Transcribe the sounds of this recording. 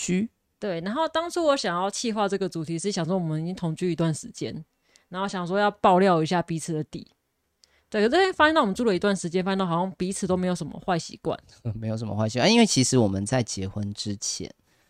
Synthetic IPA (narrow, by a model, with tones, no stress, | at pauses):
y˥ | t̪we˥˩ɪna˧˥nxo˥˩ʊt̪ɑ˥ŋt͡sʰu˥wɔ˧˥ɕjɑ˨˩ŋjɑ˥˧ʊt͡ɕʰi˥˧xwa˥˧ʈ͡ʂɤ˥˩ɡə˩t͡su˨˩t̪ʰi˧˥ʂɻ̩˥˩jɑ˨˩ŋʂwɔ˥wɔ˨˩mə˦ni˨˩t͡ɕi˦ŋt̪ʰo˧˥ŋt͡ɕy˥˨i˧˥t̪wa˥˩nʂɻ̩˧˦t͡ɕjɛ̰˦˥n | na˧˦nxo˥˩ɕjɑ˨˩ŋjwɔ˥˦jɑ˥˧ʊpɑ˥˧ʊljɑ˥˨˧ʊi˧˥ɕ̬ja˥˩pi˧˥t͡s̩ʰ˨˩d̪ə˦t̪ḭ˨˩˦ | t̪we˥˩kʰə˨˩˥fa˥ɕɛ˥nɑ˥˩˨wm˧˦˥t͡su˥˩lə˩i˧t̪wa˥˩nʂɻ̩˧˥t͡ɕjɛ˥nfa˥jɛ˥˧˥jŋpi˧˥t͡s̩ʰ˨˩t̪o˥me˧˥ɪjo˨˩ʊʂə˧˦mə̰˧xwa˥˩ɪɕḭ˧˥kwa̰˥˨˦n | me˧˥jo˨˩ʊʂə˨˦mə̰˧xwa˥˩ɪɕi˧kwa˨˩ni˦nwe˥˩ɪt͡ɕʰi˧˥ʂɻ̩˧˦wɔ˨˩mə˨nt͡sa˥˨ɪt͡ɕjɛ˧˥xwə˦nʈ͡ʂɻ̩˦t͡ɕʰjɛ̰˧˦n